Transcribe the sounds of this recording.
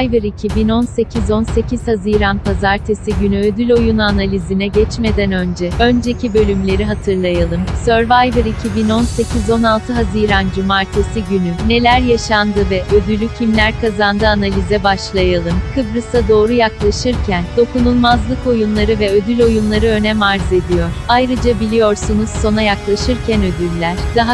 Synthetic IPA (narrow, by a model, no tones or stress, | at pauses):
ajvɯɾicʰibino̞nse̞cʰizo̞nse̞ciz̥haziːɾanpʰazaɾt̪ʰesiɟynyød̪ylʲo̞junanalʲizinɛɟɛt͡ʃme̞d̪ɛnø̞nd͡ʒɛø̞nd͡ʒe̞cʰibø̞lʲymlʲe̞ɾiɦat̪ʰɯɾlˠajalˠɯmsø̞ɾvajvɯɾicʰibino̞nse̞cʰizo̞nalˠt̪ʰɯɦaziɾand͡ʒumaɾt̪ʰesiɟynyne̞lʲæɾjaʃand̪ɯvɛʔød̪ylʲːycʰimlʲæɾkʰazand̪ɯanalʲizɛbaʃlˠajalˠɯmkʰɯbɾɯsad̪o̞ːɾujaklˠaʃɯɾcʰænd̪̥o̞kunulˠmazlˠɯko̞junlˠaɾɯvɛød̪ylʲo̞junlˠaɾɯø̞nɛmaɾze̞d̪ijo̞ɾ̥ajɾɯd͡ʒabilʲijo̞ɾsunuz̥so̞najaklˠaʃɯɾcʰænø̞d̪ylʲːæɾ̥d̪̥aɦa